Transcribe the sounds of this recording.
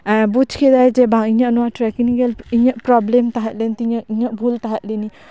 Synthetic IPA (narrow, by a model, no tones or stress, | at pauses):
bud͡ʒkʰedajd͡ʒebʱaŋiɲanuwatɾɛkiniɡeliɲaʔpɾɔblemt̪aɦat̪̚lent̪iɲaiɲabʱult̪aɦat̪̚lini